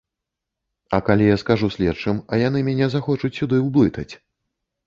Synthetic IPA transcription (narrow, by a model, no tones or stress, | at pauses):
ɐkalʲijaskaʐusʲlʲɛt͡ʂɨmɐjan̪ɨmʲanʲɛzaxɔt͡ʂut͡sʲsʲud̪ɨwblˠɨt̪ɐt͡sʲ